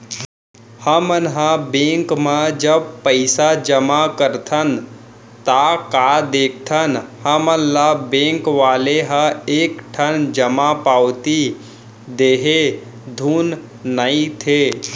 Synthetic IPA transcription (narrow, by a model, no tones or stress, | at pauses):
həmənɦãbẽːŋkmãd͡ʒəb̚pəɪsad͡ʒəmakəɾt̪ʰən | t̪akad̪eːkʰt̪ʰənhəmənlabẽːŋkʋaːleɦə̃eːkʈʰənd͡ʒəmapaːwt̪i | d̪eːɦe | d̪ʱuːnː | əĩt̪ʰeː